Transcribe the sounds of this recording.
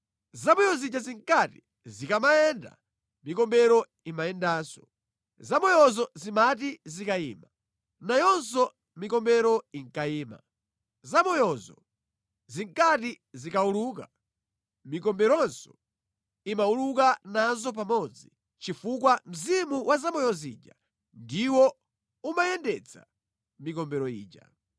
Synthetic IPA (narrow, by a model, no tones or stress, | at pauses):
zamɔjɔzit͡ʃaziŋkati | zikamaɛnda̰ | mikɔmbɛɾɔ | imaɛndaːsɔ | zamɔjɔzɔzimatizikaḭːma | najɔnsɔ | mikɔmbɛɾɔiŋkaiːma̰ | zamɔjɔzɔ̰ | ziŋkati | zikauluːka̰ | mikɔmbɛɾɔnsɔ̥ | imaulukanazɔp̬amɔd͡zi | t͡ʃifukwam̩zimuwʔazamɔjɔzḭːd͡ʒa | ndiwɔ | umajɛndɛt͡sʰa̰ | mikɔmbɛɾɔḭːd͡ʒa̰